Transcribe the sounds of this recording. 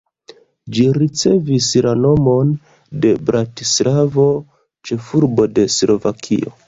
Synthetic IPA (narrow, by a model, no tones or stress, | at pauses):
d͡ʒiɾit͡se̞vislano̞mo̞n | de̞bɾʔatislavo̞ | t͡ʃe̞fuɾbo̞de̞slo̞vakʰḭo̞